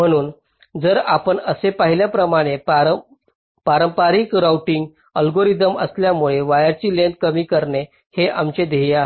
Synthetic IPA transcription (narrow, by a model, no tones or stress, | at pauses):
m̤əɽ̃uːn | d͡zəɾapəɳəsepaɦiljapɾəmaɽ̃epaə | paɾəmpaɾikɾawʈiŋɡ | əlɡoɾid̪əməsljamuɭeʋajaɾt͡ɕiːlẽnd̪̚kəmiːkəɾɳe | heʔamt͡ɕed̪ejaɦe